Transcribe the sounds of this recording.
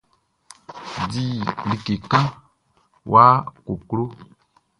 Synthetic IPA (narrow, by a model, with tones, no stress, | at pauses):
di˦li˨ke˨kã˦ | wʔa˦ko˨klo˦